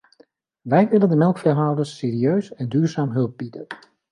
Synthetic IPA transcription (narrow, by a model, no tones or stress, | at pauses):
ʋɛjʋɪləndəmɛlˠkfɛrɦaːlˠdəsːeːɾiøɥsɛndyːɹzaːmɦɵlˠb̚b̥idən